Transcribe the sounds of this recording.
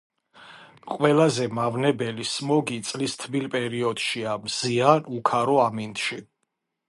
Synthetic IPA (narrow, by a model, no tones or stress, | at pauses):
qʼwɛlazɛmavnɛbɛlismɔɡit̪sʼlist̪ʰbilpʼɛɾiɔd̪̥ʃiamz̥ianukʰaɾɔamint̪ʼʃi